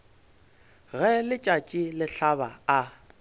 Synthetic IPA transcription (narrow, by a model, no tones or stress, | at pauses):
ɣɛlɪt͡ʃʼat͡ʃʼilɪɬaβaa